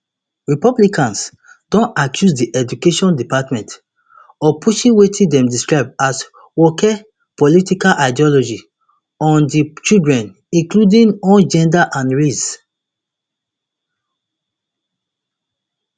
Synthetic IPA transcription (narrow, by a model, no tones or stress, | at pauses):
ɹipɔblikãns | d̥ɔ̃nakʰjusdiʔɛd͡ʒukeʃɔ̃ndipatmɛ̃nt | ɔpʰuʃĩnwetʰĩdɛ̃mdiskɹaɪb̚as | wɔkɛ | pɔlitikalʔaɪdiɔlɔd͡ʒi | ɔ̃ndit͡ʃidɹɛ̃n | ĩŋkludĩnõnd͡ʒɛ̃ndaʔãnɹis